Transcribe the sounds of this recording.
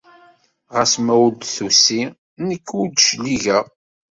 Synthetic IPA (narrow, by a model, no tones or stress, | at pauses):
ʁəsmæwəld̪θusi | nəkːwud̪ʃliʝæ